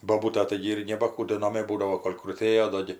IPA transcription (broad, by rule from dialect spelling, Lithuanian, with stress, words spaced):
boːˈbuːtɐ ˈtɐɪɡʲɪ ɪr nʲɛbɐ ˈkuː doː nɐˈmʲeː ˈbuːdɐʋoː ˈkoːlʲ krʊˈtʲeːjoː ˈdoː ɡʲɪ